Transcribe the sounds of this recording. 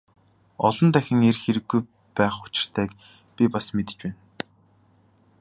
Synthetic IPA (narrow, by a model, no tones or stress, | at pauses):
ɔɮɞ̆nt̪æxʲɪ̆ŋerxeɾɘ̆ɡːuj | pæːχʊ̥t͡ɕɪ̆r̥t̪ʰæːk | pʲipasmet̪ɘ̥̆t͡ɕpæːn